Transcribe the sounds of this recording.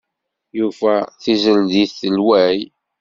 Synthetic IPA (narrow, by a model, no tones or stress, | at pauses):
jufæθizəld̪iθːəlwæj